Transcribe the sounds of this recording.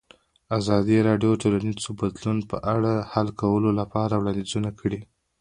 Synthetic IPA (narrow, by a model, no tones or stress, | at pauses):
azɑd̪iɾɑɖjoʈolanizzobad̪lunpəʔaɽahalkawəlolapɑɾawɽɑnd̪izunakʰəɽi